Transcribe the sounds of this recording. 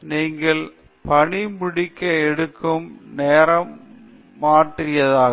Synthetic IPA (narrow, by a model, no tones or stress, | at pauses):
niːŋɡɐɭ | pɐɳɪmɪɽɪkːɐɛɽɯkːɯmneːɾɐmː | aːʈrɪjɐðaːɣ